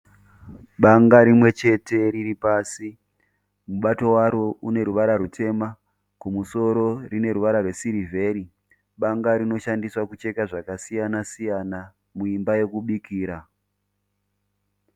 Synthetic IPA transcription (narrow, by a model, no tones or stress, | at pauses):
ɓaŋɡaɾimwe̞t͡ʃe̞te̞ɾiripaːsi | muɓato̞waɾoune̞ɾuʋaɾaɾutʰe̞ma | kumuso̞ɾo̞rine̞ɾuʋaɾarwe̞siɾivʱe̞ɾi | ɓaŋɡaɾino̞ʃandiswakut͡ʃe̞kaʐakasijanasijana | muimbaje̞kuɓikiːɾa